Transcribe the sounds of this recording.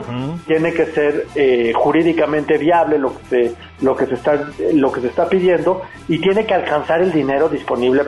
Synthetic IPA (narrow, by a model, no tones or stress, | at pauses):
t̪jene̞ke̞se̞ɾexuɾiðikamẽ̞nt̪e̞βjaβle̞lo̞ke̥se | lo̞ke̞sest̪alo̞ke̞sest̪apiðje̞nd̪o̞ | it̪je̞ne̞kealkansaɾe̞ld̪ine̞ɾo̞ðispo̞niβle